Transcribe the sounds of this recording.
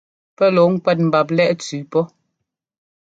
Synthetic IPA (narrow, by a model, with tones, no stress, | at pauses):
pɛ˦lɔ˨˦ŋ̩˦kwɛ˦˨t̚m̩˨ba˨p̬lɛ˦ʔt͡sʉː˨pɔ˦